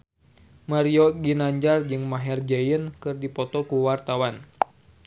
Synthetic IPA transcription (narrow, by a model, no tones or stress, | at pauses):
maɾiɔɡinaɲd͡ʒard͡ʒɨŋmaɦɛrd͡ʒajənkɨrdipɔt̪ɔkuwart̪awan